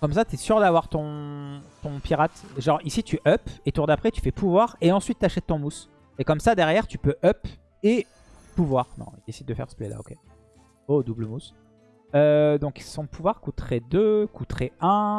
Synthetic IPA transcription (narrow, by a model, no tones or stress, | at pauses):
kɔmsat̪yɛsyʁd̪avwaʁt̪ɔ̃t̪ɔ̃piʁat̪ʒɑ̃ʁisit̪yʔœpet̪uʁd̪apχɛt̪y̥fɛpʰuvwaʁeɑ̃sɥit̪ːaʃɛt̪ːɔ̃mus | ekɔmsad̪ɛʁjɛʁt̪ypøʔœp | e | puvwaːʁnɔ̰̃id̪esid̪̚ːəfɛ̰ʁsə̥plɛla̰o̰kʲe | od̪ubləmus | ød̪ɔ̃ksɔ̃puvwaʁkut̪χed̪økut̪χeɛ̃